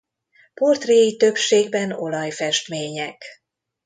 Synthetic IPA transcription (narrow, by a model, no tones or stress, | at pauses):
po̞rt̪reːjit̪ø̞pʃeːɡbɛno̞lɒjfɛʃt̪meːɲɛk